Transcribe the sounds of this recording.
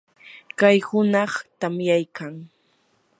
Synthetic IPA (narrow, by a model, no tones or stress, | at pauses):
kajhʊnɑχt̪amjajkʰaŋ